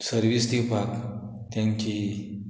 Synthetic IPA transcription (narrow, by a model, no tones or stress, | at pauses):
səɾʋisd̪ipak | t̪jãɲt͡ɕi